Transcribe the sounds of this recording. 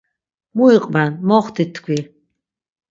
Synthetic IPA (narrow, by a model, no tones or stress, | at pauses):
muiqʼbanmɔχt̪ʰit̪ʰkʷʰi